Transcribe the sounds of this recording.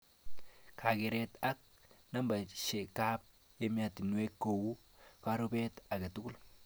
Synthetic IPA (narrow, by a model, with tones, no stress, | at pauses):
kʰa˨ɡe˨ɾe˦t̪ɐ˦k̚ | nɐ˦mbɐ˨ʃe˨ka˦p̚ | e˦m˦a˨t̪ɪ˨nu˦e˦kːo˨wu˦ | ka˦ɾo˦be˦t̪ɐ˨ɡɐ˨t̪u˦ku˦l